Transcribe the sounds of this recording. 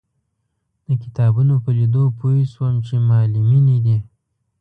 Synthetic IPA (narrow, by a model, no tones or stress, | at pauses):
d̪̥əkɪ̥t̪ɑbunopəlid̪opoiswəmt͡ʃemɑliminid̪i